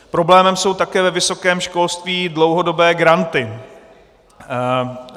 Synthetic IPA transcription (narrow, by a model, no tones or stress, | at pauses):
pɾo̞blɛːmɛmso̞wt̪akɛːvɛvɪso̞kɛːmʃko̞lst̪viːdlo̞wɦo̞do̞bɛːɡɾant̪ɪ